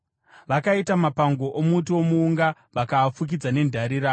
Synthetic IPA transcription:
ʋakaitamapaŋɡo̞ʔomutiomuːŋɡa | ʋakaːfuk̬id͡zane̞ndʱaɾiɾaːo

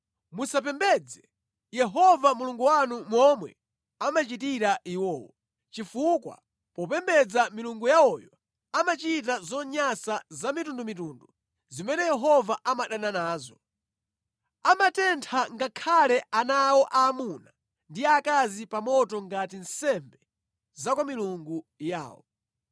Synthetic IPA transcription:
musap̬ɛmbɛːd͡zɛ | jɛɦɔvamuluŋɡuwanumwɔmwɛ̰ | amat͡ʃitiɾaʔiwɔːwɔ | t͡ʃifukwa̰ | pɔpɛmbɛd͡zamiluŋɡujaɔjɔ | amat͡ʃit̬azɔɲasazamitundumituːndu | zimɛnɛjɛɦɔvaʔamaɗananaːzɔ | amatɛntʰaŋɡakʰalɛanawɔʔaːmuna | ndiakazipamɔtɔŋɡatinsɛmbɛ | zakwamiluŋɡuja̰ːwɔ̰

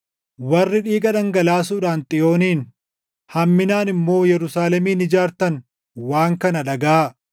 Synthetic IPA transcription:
wɐrːɪᶑiːɡɐᶑɐŋɡɐlaːsuːᶑaːnt̪ʼɪjo̞ːniːn | hɐmːɪnaːnɪmːo̞ːjɛɾʊsaːlɛmiːnɪd͡ʒaːɾt̪ɐn | waːŋkɐnɐᶑɐɡaː

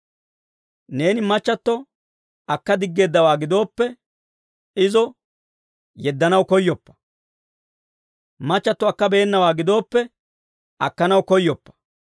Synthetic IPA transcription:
ne̞ːnɪmɐt͡ʃːɐt̪ːɔ | ɐkːɐd̪ɪɡːe̞ːd̪ːɐwaːɡɪd̪o̞ːpːɛ | ɪzɔ | jɛd̪ːɐnɐwkɔjːɔpːɐ̥ | mɐt͡ʃːɐt̪ːɔɐkːɐbe̞ːnːɐwaːɡɪd̪o̞ːpːɛ | ɐkːɐnɐwkɔjːɔpːɐ̥

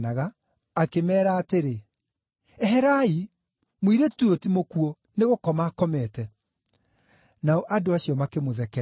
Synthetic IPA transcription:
naɣaː | kemɛːɾaːteɾe | ɛɦɛɾai | moiɾetuotimokuɔ | neɣokɔmakɔmɛtɛ | naɔʔadoaɕiɔmakemoðɛkɛ

